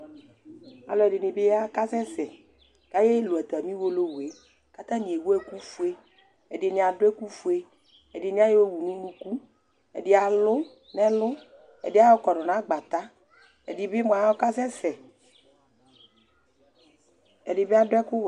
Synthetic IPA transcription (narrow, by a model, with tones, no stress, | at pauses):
a̰˨lɔ˨ɛ˨dɪ˨nɪ˨be˦ja˦ka˦sɛ˦sɛ˨ | ka˦je˦lo˨ɛ˨t̪a˨mĩ˦wo˦lo˦we˨˦ | ka˦t̪ã˦nĩ˨e˨wo˦ɛ˦ku˦fu˦e˦ | ɛ˨dɪ˨nẽ˨a˨ɖʊ˦ɛ˦ku˦fu˦e˦ | ɛ˨dɪ˨nĩ˨˦a˦je˦wo˦wu˨nũ˦nũ˦ku˦ | ɛ̰˨dɪ˨a˨lʊ˦ | nɛ̃˦lʊ˦ | ɛ̰˨dɪ˦a˦ɔ˦kɔ˨nɔ˨nã˦ɡ͡ba˨t̪a˦ | ɛ̰˨dɪ˨bɪ˦m̃˨a˨ja˦o˦ka˦sɛ˦sɛ˨ | ɛ˨dɪ˨be˦a˨dʊ˦ɛ˦kʊ˦w